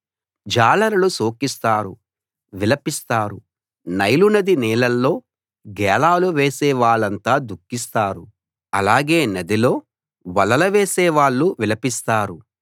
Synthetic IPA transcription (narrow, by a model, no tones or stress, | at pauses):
d͡ʒaːlɐɾɐlusoːkist̪aːɾṵ | ʋilɐpist̪aːɾṵ | nɐjlunɐd̪inɛːlɐlːo̞ː | ɡɛːlaːluʋeːsɛːʋaːɭɐnt̪aːd̪ukːist̪aːɾu | ɐlaːɡe̞ːnɐd̪ilo̞ː | ʋɐlɐlɐʋeːsɛːʋaːɭːuʋilɐpist̪aːɾu